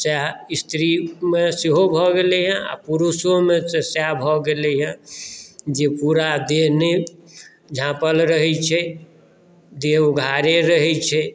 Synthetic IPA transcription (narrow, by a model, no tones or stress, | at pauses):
t͡ʃaɦist̪ɾimeseɦobʱɔɡelɛɦə̃a̰puɾusomesəsjabʱɔɡelɛɦə̃ | d͡ʒepuɾad̪eɦnɛ | d͡ʒʱãpəlɾəɦɛt͡ʃʰɛ | d̪euɡʱaɾeɾəɦɛt͡ʃʰɛ